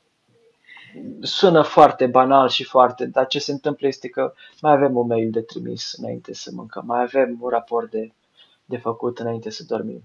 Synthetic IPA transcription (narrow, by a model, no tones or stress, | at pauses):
sunəfoart̪e̞banalʃifoart̪e̞d̪at͡ʃe̞se̞nt̪ɨmpləje̞st̪e̞kə | majave̞munme̞jld̪e̞t̪ɾimḭsɨna̰ḭnt̪e̞səmɨ̰ŋkəmːajave̞munrapo̞rt̪̚d̪e | d̪e̞fəkut̪ɨnaint̪e̞səd̪o̞rmḭm